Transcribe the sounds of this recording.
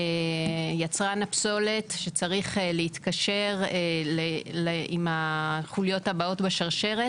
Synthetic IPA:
jat͡sʁanapso̞le̞tʃe̞t͡saʁiχleit̪kaʃe̞ʁleleimaχuljo̞tabao̞tbeʃaʁʃe̞ʁe

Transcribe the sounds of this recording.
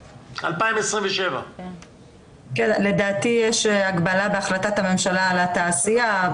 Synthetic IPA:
a̰lpaimesʁĩmveʃeva̰ | kele̞d̪aːt̪ijeʃaɡbalabeaχlat̪at̪hame̞mʃalaalat̪aːsija

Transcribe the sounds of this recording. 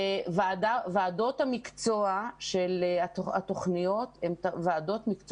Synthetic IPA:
vaadaveado̞thamikt͡soaʃelaat̪o̞χnijo̞t̪emtveado̞t̪mikt͡s

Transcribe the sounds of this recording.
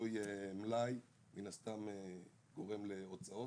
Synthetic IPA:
ojemlaj | minast̪ame | ɡo̞ʁe̞mle̞ot͡sao̞

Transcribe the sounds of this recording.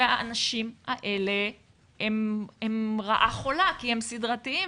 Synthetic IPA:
aanaʃimaʔe̞le̞ | hememʁaʔaχolakihemsidʁat̪ii

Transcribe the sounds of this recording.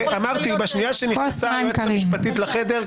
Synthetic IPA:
ʔamaʁt̪ibaʃnijaʃenisaatkaaʁmiʃpat̪it̪laχed̪eʁ

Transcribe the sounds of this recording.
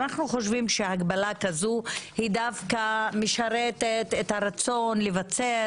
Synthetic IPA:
naχnuχo̞ʃvimʃehaɡbalakazuhidavkameʃaɾet̪et̪ethaɾat͡so̞nlevat͡se

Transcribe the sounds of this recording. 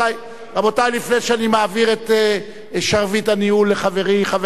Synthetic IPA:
aj | ʁabotajlifneʃanimaːviʁet̪e | ʃaʁvitaniulːeχave̞ʁiχav

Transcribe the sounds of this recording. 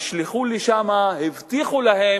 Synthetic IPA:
ʃliχuliʃamahivt̪iχulahe

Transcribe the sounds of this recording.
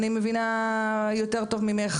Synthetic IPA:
nimevinajote̞ʁt̪o̞vmimeχ

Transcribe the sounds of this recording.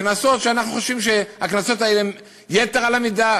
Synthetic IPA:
knaso̞t̪ʃeanaχnuχoʃvimʃeaknaso̞t̪aele | jeteʁalamida

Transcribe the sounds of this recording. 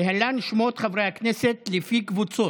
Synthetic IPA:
eɦalanʃmot̪χavʁejhakneset̪lefikvut͡so

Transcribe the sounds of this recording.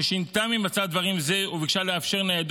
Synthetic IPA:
eʃint̪amimat͡sad̪vaʁimzeuviɡʃaleafʃe̞ʁnead̪

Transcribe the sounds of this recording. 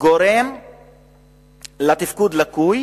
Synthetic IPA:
ɡoɾem | lat̪ifkud̪lakuj

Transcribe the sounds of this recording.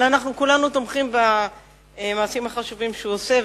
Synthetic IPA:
lanaχnukulanut̪omχimba | maːsimhaχaʃuvimʃeuose

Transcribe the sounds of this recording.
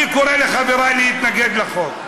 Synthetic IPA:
ikoɾeleχaveɾajliit̪naɡed̪laχok

